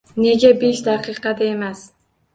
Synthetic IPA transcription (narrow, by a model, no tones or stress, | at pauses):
ne̞ɡʲabe̞ʃd̪aqɨqɑd̪ae̞mas